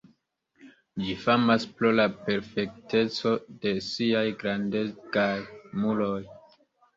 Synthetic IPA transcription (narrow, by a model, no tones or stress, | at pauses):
d͡ʒifamaspɾolape̞ɾfe̞k̚te̞t͡so̞de̞siajɡɾande̞t͡skajmulo̞j